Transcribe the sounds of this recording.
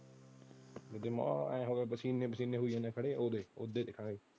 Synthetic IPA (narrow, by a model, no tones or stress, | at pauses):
d͡ʒɪd̪eːma̰ɛ̃ɦoːɡeːbəsiːnẽːbəsiːnẽːɦuiãːnɛ̃ːkʰəɽeːoːd̪eːod̪eːd̪eːkʰãːɡeː